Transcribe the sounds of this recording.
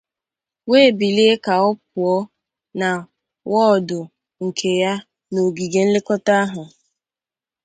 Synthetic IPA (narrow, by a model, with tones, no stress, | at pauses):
weː˦˨bi˨le˦e˦ka˨ɔ˦p̚ʊ˨ɔ˦ | na˨ | wɔ˦˨dʊ˨ | ŋ̩˨kʰe˨ja˦ | no˨ɡi˨ɡe˨n̩˦lɪ˦kɔ˦ta˦ɦʊ˨